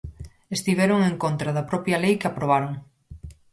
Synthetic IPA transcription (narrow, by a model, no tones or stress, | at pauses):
est̪iβɛɾoŋeŋkont̪ɾɐðɐpɾɔpjɐlejkeapɾoβ̞aɾoŋ